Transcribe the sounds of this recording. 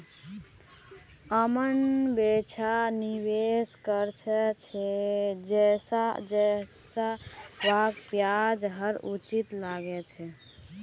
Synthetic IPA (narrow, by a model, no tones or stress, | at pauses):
əmənbet͡ʃʰaniweskəɾt͡ʃʰɛt͡ʃʰɛd͡ʒɛsad͡ʒɛsaʋakpjad͡ʒɦəɾut͡ʃit̪laɡɛt͡ʃʰɛ